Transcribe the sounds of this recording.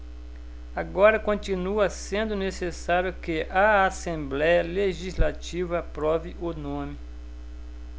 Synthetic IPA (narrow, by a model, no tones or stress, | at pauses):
aɡɔɾɐkõt͡ʃinuɐsẽnd̪ʊnesesaɾjʊkɪʔɐasẽblɛjɐleʒizlat͡ʃivɐpɾɔviʔʊnõmɪ